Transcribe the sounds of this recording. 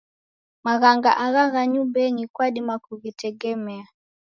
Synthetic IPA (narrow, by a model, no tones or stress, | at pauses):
maɣaŋɡaʔaɣaɣaɲubɛŋikwaɗimakuɣitɛɡɛmɛa